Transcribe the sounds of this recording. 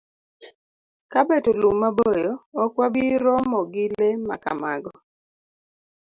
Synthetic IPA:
kabetolumːabojɔɔkwabiɾɔmɔɡɪlema̰ka̰maɡɔ

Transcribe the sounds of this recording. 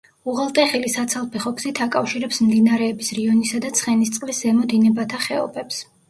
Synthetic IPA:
uʁɛlˠt̪ʼɛχilisat̪sʰalˠpʰɛχɔɡzit̪ʰakʼafʃiɾɛpsmd̪inaɾɛːbisɾiɔnisad̪at̪sʰχɛnist̪sʼqʼviszɛmɔd̪inɛbat̪ʰaχɛɔ̰pʰɛps

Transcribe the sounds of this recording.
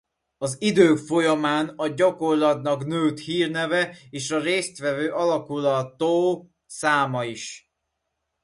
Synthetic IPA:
ɒzid̪øːkfo̞jɒmaːnɒɟɒko̞rlɒt̪nɒknøːt̪hiːrnɛvɛeːʃɒɾeːst̪ʋɛvøːʔɒlɒkulɒt̪oː | saːmɒiʃ

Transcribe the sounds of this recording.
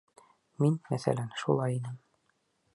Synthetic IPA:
minmæθæ̰lænʃṵlˠɑjinɘm

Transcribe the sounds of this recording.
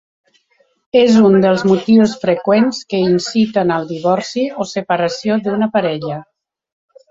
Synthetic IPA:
ezund̪əlˠzmut̪iwsfɾəkwenskəinsit̪ənəlˠd̪iβɔɾsiosəpəɾəsiod̪unəpaɾɛʎə

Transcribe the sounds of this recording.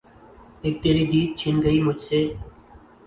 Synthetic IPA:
eːk̚t̪eːɾiːd̪iːt̪̚t͡ʃʰɪnɡəiːmʊd͡ʒʱseː

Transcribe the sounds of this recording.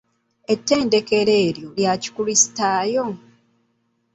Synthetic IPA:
e̞tːe̞ːnde̞ke̞ɾe̞ːɾjo̞ljaci̥kulisi̥taːjo̞

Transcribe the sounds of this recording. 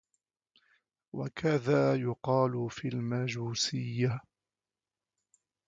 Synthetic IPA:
wa̰kʰaðaːjʊqɑːlʊfiːlmad͡ʒuːsɪjːa

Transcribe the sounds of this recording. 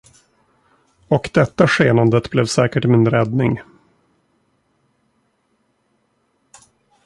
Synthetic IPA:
ɔkd̪ɛt̪ːaɧeːnand̪ət̪blɛvsɛːkəʈmɪnd̪ɾɾɛd̪nɪŋ

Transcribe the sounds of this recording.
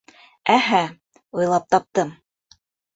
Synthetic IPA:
æɦæ | ujlˠɑp̚t̪ɑp̚t̪ɤm

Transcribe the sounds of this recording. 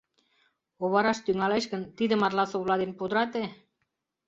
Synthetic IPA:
oβɑɾɑʃt̪yŋɑleʃkə̆nt̪id̪ə̆mɑrlɑsoβlɑd̪enpud̪əɾɑt̪e

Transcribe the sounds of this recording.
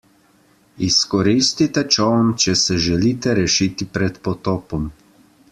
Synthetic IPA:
iskɔɾist̪it̪ɛt͡ʃɔwnt͡ʃɛsɛʒɛliːt̪ɛɾɛʃit̪ipɾɛt̪pɔt̪ɔːpɔm

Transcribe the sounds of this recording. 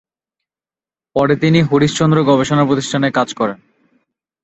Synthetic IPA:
pɔɾet̪iniɦoɾiʃt͡ɕond̪ɾoɡɔbeʃonapɾot̪iʃʈʰanekad͡ʑkɔɾen

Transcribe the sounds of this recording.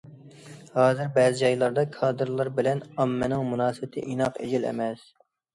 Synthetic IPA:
hɑːzɪɾbɛːzɪd͡ʒɑjlˠɑɾd̪ɑkʰɑːd̪ɨɾlˠɑɾbɪlɛnɑmːɛnɪŋmunɑːsɨbɪt̪ʰɪ̰ʔinɑqḛd͡ʒilɛ̰mɛs

